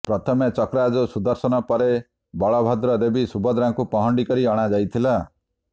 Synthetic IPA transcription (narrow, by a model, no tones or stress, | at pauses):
pɾɔt̪ʰɔmet͡ʃɔkɾad͡ʒɔsud̪ɔɾsɔnɔpɔɾe | bɔɭɔbʱɔd̪ɾɔɾebisubɔd̪ɾaŋkupɔɦɔɳɖikɔɾiɔɽ̃ad͡ʒajt̪ʰila